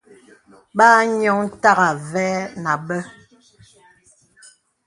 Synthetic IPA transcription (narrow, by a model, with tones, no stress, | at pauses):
ɓaː˦ɲɔ˦ŋta˦ɣa˨vɛː˦na˨bɛ˦